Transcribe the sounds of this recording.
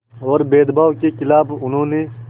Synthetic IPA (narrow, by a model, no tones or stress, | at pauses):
ɔːɾbeːd̪baːʋkekɪlaːbʊnɦõːne